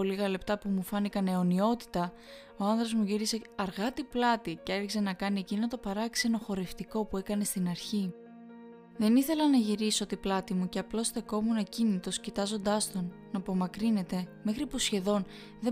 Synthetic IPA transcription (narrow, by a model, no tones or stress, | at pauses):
oliɣɐle̞pt̪ɐpumufɐnikɐne̞o̞nio̞t̪i̥t̪ɐ | o̞ɐnðɾo̞zmuʝiɾise̞ɐɾɣɐt̪iplɐt̪iceeɾçise̞nɐkɐnie̞cinot̪o̞pɐɾɐkse̞no̞xo̞ɾe̞ft̪iko̞pue̞kɐne̞st̪inɐɾçi | ðe̞niθe̞lɐnɐʝiɾiso̞t̪iplɐt̪imuce̞ɐplo̞st̪e̞ko̞munɐcinit̪o̞scit̪ɐzo̞nd̪ɐst̪o̞n | nɐpo̞mɐkɾine̞t̪e̞me̞xɾipusçe̞ðo̞n | ðe